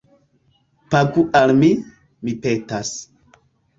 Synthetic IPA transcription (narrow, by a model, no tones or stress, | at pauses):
paɡuʔalmi | mipetas